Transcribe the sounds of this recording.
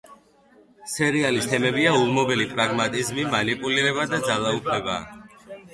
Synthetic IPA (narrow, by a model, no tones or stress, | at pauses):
sɛɾialist̪ʰɛmɛbiaulˠmɔbɛlipʼɾaɡmat̪ʼizmimanipʼuliɾɛβad̪ad̪zalˠaupʰlɛba̰